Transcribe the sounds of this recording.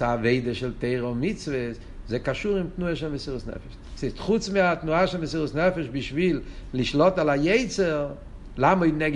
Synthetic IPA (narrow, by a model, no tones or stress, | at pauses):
saːveɪdəʃɛlˠteɪʁəʊmɪt͡svəs | zeɪkaʃuːʁɪmtnuaʃɛnvəsiːʁəsnɛ̰fɛ̥ʃ | seɪstχut͡smɪatnuaʃɛnməsiːʁəsnɛfəʃbɪʃviːlˠlɪʃlˠɔtalˠajeɪt͡səʁ | lˠamɔdnɛɡ